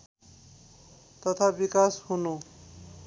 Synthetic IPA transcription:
t̪ʌt̪ʰabikashunu

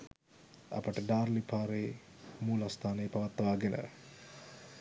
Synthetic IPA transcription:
ɐ̰pəʈəɖaːrlipʰaːɾeː | muːlast̪ʰaːnəjpɐʋat̪ːɐʋaːɡenə̰

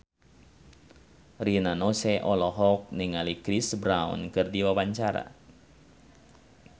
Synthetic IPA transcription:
rinanɔsɛʔɔlɔɦɔk̚niŋalikɾisbɾaṵnkɨrdiwabaɲt͡ʃaɾa̰

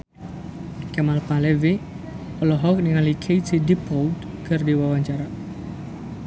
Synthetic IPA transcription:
kamalpalevi | ɔlɔɦɔk̚niŋalikʰejt͡ʃidipɔwd | kʰərdiwawaɲt͡ʃaɾa

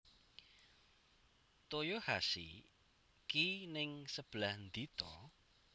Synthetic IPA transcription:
t̪ojohasḭ | kinɪŋsəb̥lahnd̪it̪ɔ

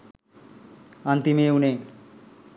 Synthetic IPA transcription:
ant̪imeune

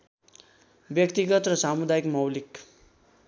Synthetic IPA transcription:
bjʌkt̪iɡʌt̪rʌsamud̪ajikmʌwlik

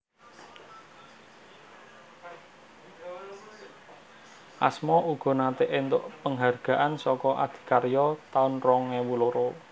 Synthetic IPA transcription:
ʔa̰smɔuɡ̥ɔ̤nat̪eʔɪnt̪ʊʔpəŋɦarɡ̥a̤ʔansɔkɔʔa̰d̪̥i̤̥karjɔt̪aʊnrɔŋɛwuloɾo

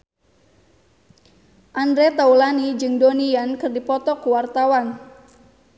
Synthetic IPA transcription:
ʔandɾet̪aulanid͡ʒɨŋdoniankɨrdipɔt̪ɔkuwart̪awan

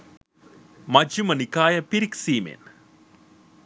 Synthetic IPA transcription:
mɐd͡ʑumɐnikaːjɐpiɾiksiːmḛːn

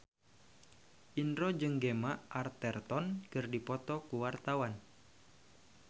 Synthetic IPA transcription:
ʔinɾɔd͡ʒɨŋɡemaʔart̪ɛrt̪ɔnkɨrdipɔt̪ɔkuwart̪awan

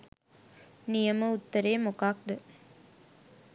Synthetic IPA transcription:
nijɐməut̪ːɐɾeːmokaːk̚d̪ə

